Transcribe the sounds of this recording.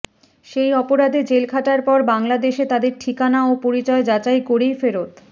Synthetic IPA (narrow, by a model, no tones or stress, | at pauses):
ʃejɔpoɾad̪ed͡ʑelkʰaʈaɾpɔɾbaŋlad̪eʃet̪ad̪eɾʈʰikanaopoɾit͡ɕɔed͡ʑat͡ɕajkoɾejfeɾot̪